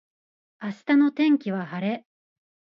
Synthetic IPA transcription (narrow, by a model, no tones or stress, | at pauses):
aɕi̥t̪ano̞t̪ẽ̞ŋkʲiβahaɾe̞